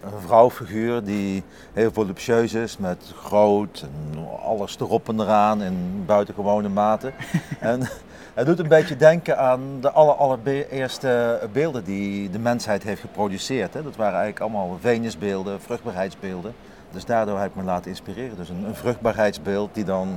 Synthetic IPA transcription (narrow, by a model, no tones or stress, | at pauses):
əvrɑwfiɣyːrdi | ɦɪːlˠvolypʃøɥsɪsmɛtxrowtɛnɑ̰lˠəstərɔpəndəraːnɪnbœɥtəɣəʋownəmaːtəɛn | ɦədutənbejtədɛŋkənaːndəʔɑləɹɑləɹbɪːɹstəbɪːlˠdəndidəmɛnsɦɛjtɦejftχəprowdysɪːɹtɦɛdɑtʋaːrənɛjɣələkɑlˠmaːlˠvejnəzbɪːlˠdəv̥rɵχd̚baːɹɦɛjtzbɪːlˠdən | dɵsdaːɹdʊːɹɦɛbɪk̚məlaːtənɪnspirɪːrəndɵsənənvrɵχd̚baːɹɦɛjtzbɪːlˠt̚didɑn